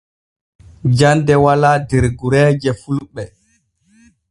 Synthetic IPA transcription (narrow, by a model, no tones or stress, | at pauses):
d͡ʒandɛwaladɛɾɡuɾɛːd͡ʒɛfulɓɛ